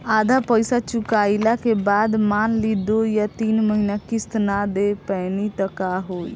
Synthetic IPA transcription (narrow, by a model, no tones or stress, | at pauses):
ad̪ʱapəjsat͡ʃukailakebad̪manlid̪ojat̪iːnməɦinakist̪nad̪epɛnit̪əkaɦoːj